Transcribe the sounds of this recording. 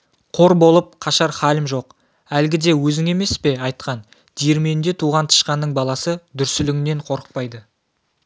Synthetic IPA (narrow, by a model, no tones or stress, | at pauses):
qʰo̞ɾbo̞lˠəp̚qʰɑʃɑɾχɑlɪmʒo̞q | ælɡʲɪd̪e̞wɵzɪŋe̞me̞spe̞ɑjt̪qɑn | d̪̥ijeɾme̞nd̪e̞t̪ʰuʁɑnt̪ʰə̥ʃqɑnːəɴbɑlˠɑsəd̪ʏɾsɪlɪŋne̞ɴqʰo̞ɾə̥q̚pɑjd̪ə